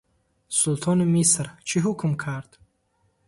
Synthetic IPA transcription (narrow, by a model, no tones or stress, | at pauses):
sult̪ʰɔnimisɾt͡ʃʰiɦukʰmkʰaɾd̪̥